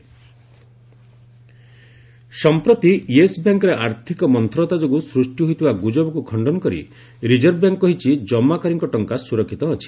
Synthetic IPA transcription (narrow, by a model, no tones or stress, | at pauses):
sɔmpɾɔt̪iiesbjaŋkɔɾeʔaɾt̪ʰikɔmɔnt̪ʰɾɔt̪ad͡ʒoɡusɾusʈjuɦojt̪ʰibaɡud͡ʒɔbɔkukʰɔɳɖɔnɔkɔɾḭ | ɾid͡ʒɔɾbjaŋkkɔɦit͡ʃʰid͡ʒɔmːakɔɾiŋkɔʈɔŋkasuɾɔkʰːit̪ɔɦɔt͡ʃʰi̥